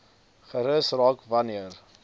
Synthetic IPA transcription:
χəɾəsrɑːkvɐniər

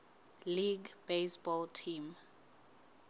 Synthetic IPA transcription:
liɡb̥esbɔltʰim

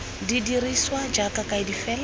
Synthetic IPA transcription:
didiriswad͡ʒakakaidifɛːl

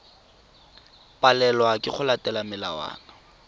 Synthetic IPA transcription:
pʼalɛlɔwakʼɪχʊlatʼɛlamɪla̰wa̰ːna

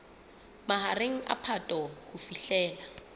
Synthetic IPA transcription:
maɦaɾeŋ̩a̰pʰatʼɔkufiɬɛːla

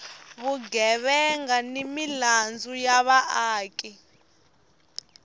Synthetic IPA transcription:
βuɡɛβɛŋɡanimiland͡zujaβaʔaːkʼi

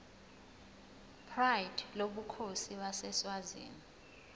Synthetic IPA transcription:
pʰrajdloɓukʰosiɓasɛswazḭːni

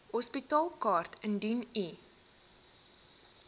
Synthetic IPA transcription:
hɔspitɑːlˠkɑːrtʰəndyni

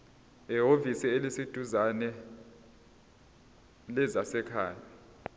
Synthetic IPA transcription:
ɛɦovisielisid̥ʱuzanɛ | lɛzasɛkʰaːja

